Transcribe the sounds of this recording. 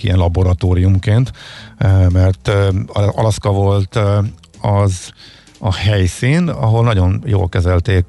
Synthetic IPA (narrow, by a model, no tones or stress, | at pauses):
ḭjɛ̰nlɒboɾɒt̪oːɾijumkeːnt̪ | mɛrt̪ | ɒlɒskɒvo̞lt̪ | ɒz | ɒhɛjsiːnɒ̰ɦo̞lnɒɟo̞njo̰ːlkɛzɛlt̪eːk